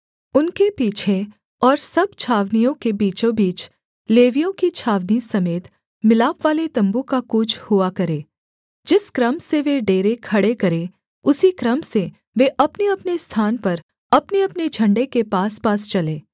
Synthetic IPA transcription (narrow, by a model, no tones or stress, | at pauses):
ʊnkepiːt͡ʃʰe | ɔːɾsɐbt͡ʃʰaːʋnijõkebiːt͡ʃõbiːt͡ʃ | leːʋijõkit͡ʃʰaːʋnisɐmeːt̪ | mɪlaːpʋaːlet̪ɐ̃mbukakuːt͡ʃʰhʊakɐɾẽː | d͡ʒɪskɾəmseʋeɖeːɾekʰɐɽekɐɾẽ | ʊsikɾɐmse | ʋeʔɐpneɐpnest̪ʰaːnpɐɾ | ɐpneɐpned͡ʒʱɐ̃ɳɖekepaːspaːst͡ʃɐlẽː